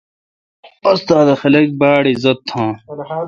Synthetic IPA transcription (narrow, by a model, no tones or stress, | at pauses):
ɐst̪aːd̪ɐxɐlɐk̚baːɽizɐt̪ʰːãː